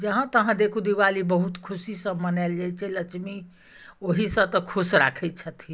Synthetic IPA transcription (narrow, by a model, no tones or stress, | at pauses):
d͡ʒəɦãt̪əɦãd̪ekʰũd̪iwalibəɦut̪kʰusisə̃mənald͡ʒajt͡ʃʰɛlət͡ʃʰmi | oɦisə̃t̪ɔkʰusɾa̰kʰɛt͡ʃʰət̪ʰi